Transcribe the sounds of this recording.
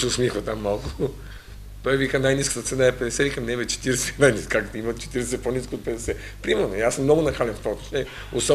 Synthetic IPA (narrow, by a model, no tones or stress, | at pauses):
sɛʊsmixvɐt̪amːalˠkʊ̥ | t̪ɔivikənajniskə̥t̪ət̪sɛnaɛpɛd̪ɛsɛikɐmd̪ɛvɛt̪t͡ʃɛ̥t̪iɾɛsɛnanʲiskakt̪oimɐt̪t͡ʃɛ̥t̪iɾɛsɛsɛponiskoːt̪̚pɛd̪ɛsɛ | pɾimɛɾnoiasmnɔɡʊnɐxalɛnft̪vɔt̪o̥ʃnɛ | osɔ